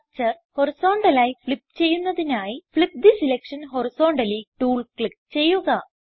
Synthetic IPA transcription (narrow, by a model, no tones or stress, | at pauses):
t͡ɕɐr | ho̞riso̞ːɳɖɐlaːjifɭip̚ːt͡ɕe̞jːunːɐðinaːjifɭip̚d̪isilekʂɐnɦo̞riso̞ːɳɖɐliʈuːɭkɭip̚t͡ɕe̞jːuɣɐ